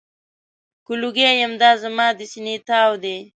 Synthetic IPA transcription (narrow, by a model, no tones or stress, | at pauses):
kuluɡejamd̪ɑːzamɑːd̪əsinet̪ɑwd̪e